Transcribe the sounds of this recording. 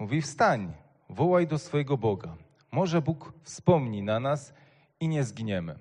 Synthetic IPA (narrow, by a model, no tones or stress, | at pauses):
uvʲifst̪aɲ | vɔwajd̪ɔsfɔjɛɡɔbɔɡa | mɔʐɛbukfspɔmɲinanas | iɲɛzɡʲiɲɛmɘ̰